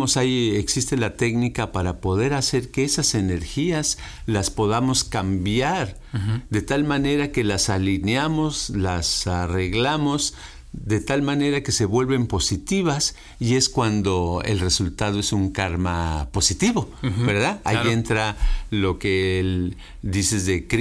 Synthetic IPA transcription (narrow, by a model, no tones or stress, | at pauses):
osaje̞ksist̪e̞lat̪e̞knikapaɾapo̞ð̞e̞ɾase̞ɾke̞esase̞ne̞ɾxiaslaspo̞ðamo̞skambjaɾ | d̪e̞t̪almane̞ɾake̞lasalineamo̞zlasare̞ɣlamo̞z | d̪e̞t̪almane̞ɾake̞se̞βwe̞lβe̞mpo̞sit̪iβas | ie̞skwand̪o̞e̞̰lre̞sult̪aðo̞esuŋkaɾma̰po̞sit̪iβo̞beɾðaaient̪ɾalo̞kel | d̪ise̞zðek